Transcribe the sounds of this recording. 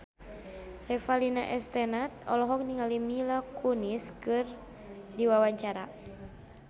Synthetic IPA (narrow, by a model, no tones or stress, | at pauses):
rɛfalinaʔɛst̪ɛnat̪̚ɔ̰lɔɦɔk̚niŋalimilakuniskɨr | diwawaɲt͡ʃaɾa̰